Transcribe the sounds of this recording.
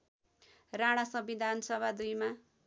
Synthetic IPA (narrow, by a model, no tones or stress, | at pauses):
raɽ̃asʌbid̪ʱansʌbʱad̪ujma